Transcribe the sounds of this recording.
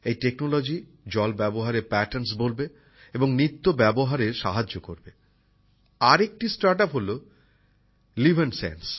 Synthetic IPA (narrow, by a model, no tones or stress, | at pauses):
ejʈeknolod͡ʑi | d͡ʑɔlbɛboɦaɾeɾpɛʈeɾns̬bolbe | eboŋnɾit̪ːobɛboɦaɾeɾʃaɦad͡ʑoko̰ɾbe | aɾek̚ʈisʈaɾʈapɦolo | libʱensḛns